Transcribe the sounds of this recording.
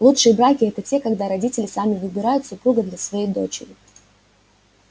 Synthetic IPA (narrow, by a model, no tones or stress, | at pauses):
lˠutʂɨjəbɾakʲɪɛt̪ətʲe̞kɐɡd̪aɾɐdʲitʲɪlʲɪsamʲɪvɨbʲɪɾajʊt̪sʊpɾuɡəd̪lʲɐsvɐjejd̪o̞t͡ɕɪ̰ɾʲɪ